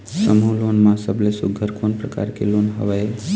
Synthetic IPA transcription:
səmũlonmãsəblesʊɡʱəɾkonpɾəka̰ɾkelonɦə̰ʋae

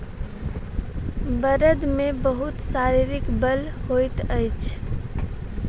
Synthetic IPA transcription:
bəɾəd̪mẽbəɦʊt̪saːɾiɾɪkbəlhojt̪əɪt͡ʃʰ

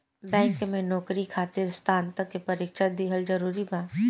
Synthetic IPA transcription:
bɛ̃ːŋkmẽnɔːkɾikʰaːt̪ɪɾst̪ʰaːnt̪əkːepɐɾiːkʃad̪iɦəld͡ʒɐɾuːɾibãː

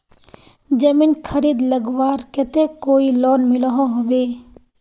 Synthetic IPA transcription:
d͡ʒəmiːnkʰəɾiːd̪ləɡwaːɾkɛt̪ekoːilɔːnmɪlɦoɦobeː

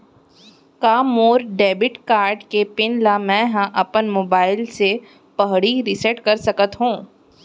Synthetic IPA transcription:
kaːmoːɾɖɛːbɪʈkaːɾɖkepɪnlamɛ̃ːɦãʔɐpənmoːbaːɪlse | pɐɦɽiɾɪsɛʈkɐɾsɐkət̪ɦũː

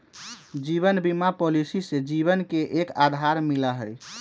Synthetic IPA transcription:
d͡ʒiβənbimapolisised͡ʒiβənkeʔekad̪ʱaɾmiləɦəj

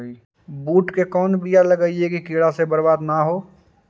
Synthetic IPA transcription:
buːʈkekɔːnbijalɐɡəiekikeːɽasebɐɾbaːd̪naɦoː

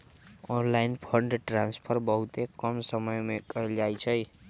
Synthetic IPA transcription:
onlainpʰʌɳɖʈranspʰʌrbʌɦut̪ekʌmsʌmʌjmekʌlajt͡sʰʌj

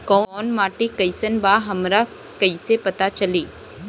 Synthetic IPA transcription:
kɔːnmaːʈikɐɪsənbaːɦɐmɾa | kɐisepɐt̪at͡ʃɐliː

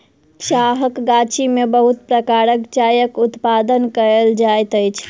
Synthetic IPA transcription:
t͡ʃaɦəkɡat͡ʃimebəɦut̪̚pɾəkaɾəkt͡ʃajəkut̪pad̪ənkəɾəld͡ʒajt̪əjt͡ʃʰ

